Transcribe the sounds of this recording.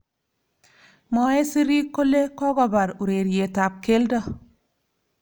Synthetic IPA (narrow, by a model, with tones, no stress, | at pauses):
mɔ˨e˦si˦ɾi˦kːo˦le˦kɔ˦ɡɔ˦ba˨ɾu˨ɾe˨ɾje˨ta˨p̚ke˦ldɔ˦